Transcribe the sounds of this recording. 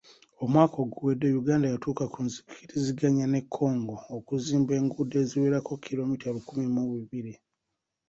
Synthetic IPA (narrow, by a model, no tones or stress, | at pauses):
o̞mwaːko̞ɡuwedːejuɡaːndajatuːkakʰunzi̥kitiziɡaɲane̞kʰːo̞ːŋɡoːkuziːmbe̞ːŋɡude̞ːziweːɾako̞kʰːilo̞mitalukumimuwiβiɾi